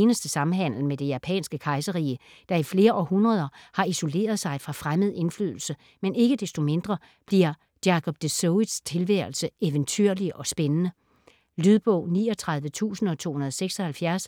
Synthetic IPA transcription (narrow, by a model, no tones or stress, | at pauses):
nəsd̥əsɑ̈m̩ɦæn̰l̩med̥e̝jæpʰɛ̰ːnsɡ̥əkʰɑ̈ɪsəʁḭːə | d̥ɑ̈ifle̝ːɐʔɒhunʁɐð̞ˠɐhɑ̈iso̝le̝̰ːɐð̞ˠsɑ̈ɪfʁɑ̈fʁamð̞̩ˠe̝nfly̰ð̞̰ˠl̩sə | mene̝ɡ̥əd̥esd̥o̝me̝nd̥ʁɐ | b̥liɐ̥ | jɑ̈kʰɒ̽b̥d̥esɔʊid̥st͡sʰe̝lʋæɐl̩səʔeʋənt͡sʰyɐ̰liʔɒ̽sb̥enənə | lyð̞ˠb̥ɔ̽ʊ̰niːɒ̽t͡sʰʁɑ̈ðˠʋət͡sʰṵːsn̩ɒ̽t͡sʰo̝̰ːhunɐð̞ˠɒseɡ̥sɒ̽hælfjæɐs